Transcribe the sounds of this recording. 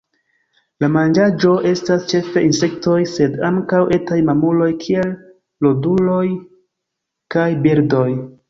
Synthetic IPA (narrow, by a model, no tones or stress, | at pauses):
lamand͡ʒad͡ʒo̞ʔe̞stast͡ʃe̞fe̞inse̞kto̞jse̞daŋkawʔe̞tajmamulo̞jkʰie̞lː | odulo̞j | kajbiɾdo̞j